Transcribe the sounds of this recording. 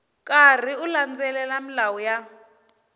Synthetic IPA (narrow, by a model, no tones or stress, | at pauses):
kʼar̤iuland͡zɛlɛlamilawɔja